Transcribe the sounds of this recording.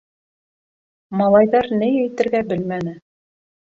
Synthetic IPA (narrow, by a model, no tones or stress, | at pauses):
mɑlˠɑjðɑɾnɘjæjt̪ɘ̆ɾɡæbɘlmænɘ